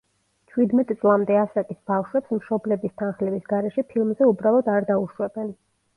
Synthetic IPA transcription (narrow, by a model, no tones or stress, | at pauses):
t͡ʃʰwid̪mɛt̪ʼt̪sʼlˠamd̪ɛasak̪ʼisbafʃwɛpsmʃɔblɛbist̪ʰanχlɛbisɡaɾɛʃɛpʰilˠmzɛubɾalˠɔd̪aɾd̪auʃwɛbɛn